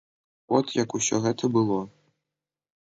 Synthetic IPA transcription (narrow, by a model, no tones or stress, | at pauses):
vɔt̪jɐkusʲɔɣɛt̪ʰɐbɨlˠɔ